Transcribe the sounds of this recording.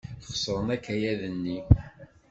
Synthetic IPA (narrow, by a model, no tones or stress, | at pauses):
χsˤɾˤənækːæjæðənːi